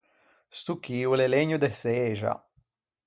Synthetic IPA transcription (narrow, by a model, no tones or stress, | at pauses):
st̪ukiuleleɲud̪eseeʒa̰